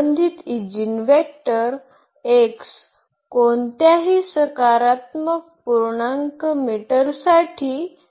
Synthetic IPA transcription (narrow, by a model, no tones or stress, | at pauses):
nd̪ʱit̪id͡ʑinʋekʈəɾ | eks | kont̪jaɦiːsəkaɾat̪mək̚puɾɳaŋkmiʈəɾsaʈʰiː